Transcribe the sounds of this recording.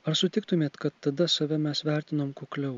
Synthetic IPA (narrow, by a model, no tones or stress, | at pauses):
ɐɾsʊt̪ʲɪk̚t̪ʊmʲeːt̪kɐt̪ːɐd̪ɐsɐʋʲɛmʲɛsʋʲæˑɾʲt̪ʲɪnoːmkoklʲɛʊ